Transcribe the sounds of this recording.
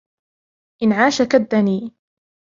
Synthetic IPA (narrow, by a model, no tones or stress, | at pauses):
ʔɪnʕaːʃakad̪ːaniː